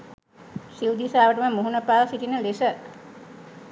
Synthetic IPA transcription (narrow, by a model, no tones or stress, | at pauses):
siwd̪isaːʋəʈəməmuɦunəpaːʋsit̪inəlesə